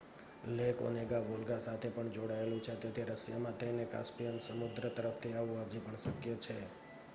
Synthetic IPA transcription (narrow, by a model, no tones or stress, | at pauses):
leko̰neɡaʋolɡasat̪ʰepəɳd͡ʒoɽaelũt͡ʃʰet̪et̪ʰiɾəsjamãt̪ʰəineka̰spijənsəmud̪ɾət̪əɾəft̪ʰiaʋũɦəd͡ʒipəɳsəkjət͡ʃʰe